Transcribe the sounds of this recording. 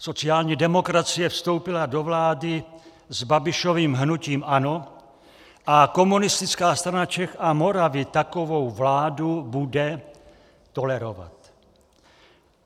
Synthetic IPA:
so̞t͡sɪaːlɲiːdɛmo̞kɾat͡sɪjɛfst̪o̞wpɪlado̞vlaːdɪ | zbabɪʃo̞viːmɦnuciːmʔano | ʔako̞munɪst̪ɪt͡skaːst̪ɾanat͡ʃɛxamo̞ɾavɪt̪akovo̞wvlaːdubudɛ | t̪o̞lɛɾova̰t̪

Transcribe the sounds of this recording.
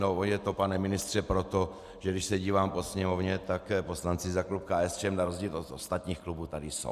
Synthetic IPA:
noonjɛt̪o̞panɛmɪnɪst̪r̥ɛpɾo̞t̪o̞ | ʒɛɡdɪʃsɛɟiːvaːmpo̞sɲɛmovɲɛt̪akpo̞slant͡sɪzaklupkaɛst͡ʃɛmnaɾozɟiːlot̪ost̪at̪ɲiːxklubuːt̪adɪso̰w

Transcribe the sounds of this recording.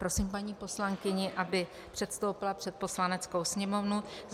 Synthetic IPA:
pɾo̞siːmpaɲiːpo̞slaŋkɪɲɪʔabɪ | pr̝̥ɛt̪st̪o̞wpɪlapr̥ɛt̪̚po̞slanɛt͡sko̞wsɲɛmo̞vnuz

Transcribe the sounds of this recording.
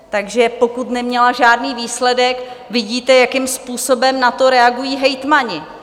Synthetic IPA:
t̪aɡʒɛpo̞kut̪nɛmɲɛlaʒaːdniːviːslɛdɛkvɪɟiːt̪ɛjakɪmspuːso̞bɛmnat̪o̞ɾɛaɡujiːɦɛjt̪maɲɪ

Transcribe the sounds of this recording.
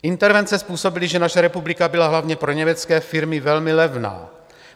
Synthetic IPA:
ʔɪnt̪ɛɾvɛnt͡sɛspuːso̞bɪlɪʒɛnaʃɛɾɛpublɪkabɪlaɦlavɲɛpɾoɲɛmɛt͡skɛːfɪɾmɪvɛlmɪlɛvna̰ː

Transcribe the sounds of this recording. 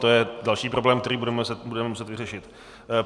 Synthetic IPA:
t̪ojɛdalʃiːpɾo̞blɛːmkt̪ɛɾiːbudɛmɛsmudɛmɛmusɛt̪vɪrɛʃɪt̪

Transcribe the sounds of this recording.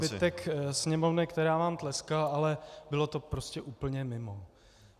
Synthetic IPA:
bɪt̪ɛksɲɛmo̞vnɪkt̪ɛɾaːvaːmt̪lɛskalalɛbɪlo̞t̪o̞pɾo̞scɛʔuːpl̩ɲɛmɪmo

